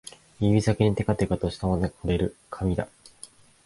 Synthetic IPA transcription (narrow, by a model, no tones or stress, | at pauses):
ibʲizakeɲ̟it̪e̞kat̪ekat̪oɕi̥t̪amanakoɾe̞ɾɯ̟kʰamʲid̪a̰